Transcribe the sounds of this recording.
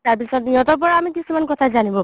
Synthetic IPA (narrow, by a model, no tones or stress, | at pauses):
taɹpisɔtiɔtɔp̬ɔɹaamikisumankɔtʰazanibɔ